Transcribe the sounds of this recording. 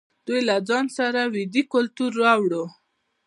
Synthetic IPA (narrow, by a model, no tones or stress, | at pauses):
d̪̥ujlad͡zɑnsaɾawɪd̪ikʊlt̪uɾːɑwɽo